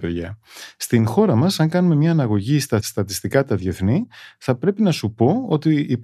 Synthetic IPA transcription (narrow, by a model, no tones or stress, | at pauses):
peðʝɐst̪inxo̞ɾɐmɐsɐŋkɐnume̞mɲɐːnɐɣo̞ʝist̪ɐst̪ɐt̪ist̪ikɐt̪ɐðʝe̞θniθɐpɾe̞pinɐsupo̞o̞t̪iːp